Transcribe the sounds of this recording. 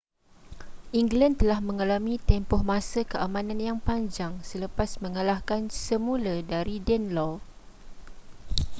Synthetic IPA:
ʔiŋɡlant̪əlahmə̃ŋalamĩt̪ɛmpɔhmãsəkəamãnãnjaŋpaɲd͡ʒaŋsələpasmə̃ŋəlahkansəmũladaɾidɛnlɔ

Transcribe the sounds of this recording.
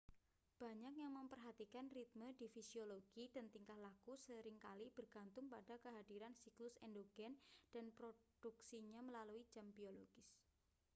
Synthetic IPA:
b̥a̤ɲakjaŋməmpərɦat̪ikanrit̪̚mədifisioloɡ̥idənt̪iŋkahlakusəɾɪŋkalib̥ərɡ̥a̤nt̪ʊŋpadakəɦad̥iɾansiklʊsɛndoɡ̥ɛnd̥anpɾod̥uksiɲaməlalui̥d͡ʒ̥ambioloɡ̥ɪs

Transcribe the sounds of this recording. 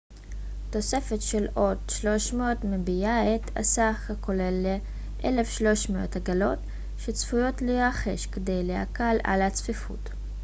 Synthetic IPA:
to̞se̞fetʃelʔo̞tʃlo̞ʃmeotmebijaetʰa̰saχakolele | ʔelefʃlo̞ʃmeothaɡalo̞t | ʃet͡sfujo̞tleaχeʃkede̞jleha̰kala̰lhat͡sfifṵt

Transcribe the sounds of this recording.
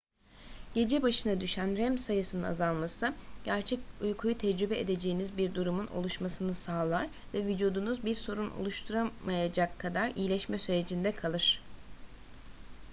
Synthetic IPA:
ɟ̥e̞d͡ʒɛbaʃɯnad̪yʃænɾɛmsajɯsɯnɯna̰zalˠmasɯɟ̥æɾt͡ʃʰɛcujkʰujut̪ʰɛd͡ʒɾybɛʔed̪e̞d͡ʒe̞jinizbiɾd̪uɾumuno̞̰lˠuʃmasɯnɯsaːlˠaɾ̥ | vɛvid͡ʒuːd̪unuzbiɾso̞ɾuno̰lˠuʃt̪ʰuɾamajad͡ʒakʰːad̪aɾijilʲɛʃmɛsyɾe̞d͡ʒind̪ɛkʰalˠɯɾ̝̥

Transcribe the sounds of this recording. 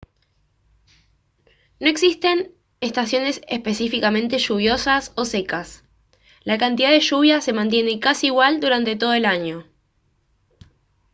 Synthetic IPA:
no̞e̞ksist̪e̞n | est̪asjo̞ne̞sespe̞sifikamẽ̞nt̪e̞ʃuβ̞jo̞saso̞sekas | lakant̪iðaðeʃuβ̞jase̞mãnt̪̬je̞nekasiːɣwald̪uɾant̪e̞t̪o̞ð̞oe̞laɲo̞

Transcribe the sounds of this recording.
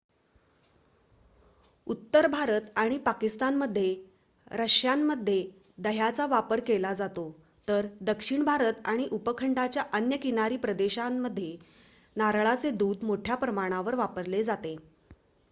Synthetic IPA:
ut̪ːəɾbʱaɾət̪aɽ̃ipakist̪anməd̪ʱːje | ɾəɕjamːəd̪ʱːje | d̪əɦjat͡saʋapəɾkelad͡zat̪o | t̪əɾd̪əkʂiɳbʱaɾət̪aɽ̃iʔupəkʰəɳɖat͡ɕjaʔənjəkinaɾiːpɾəd̪eɕamːəd̪ʱːje | naɾɭat͡sed̪uːd̪moʈʰjapɾəmaɽ̃aʋəɾʋapəɾled͡zat̪e

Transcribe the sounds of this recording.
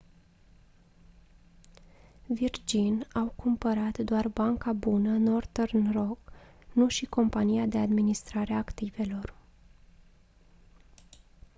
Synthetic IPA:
vird͡ʒinawkʰumpəɾat̪d̪oarbaŋkabunəno̞rt̪ernro̞knuʃiko̞mpanijad̪e̞ad̪minist̪ɾaɾeaːkt̪ive̞lo̞r

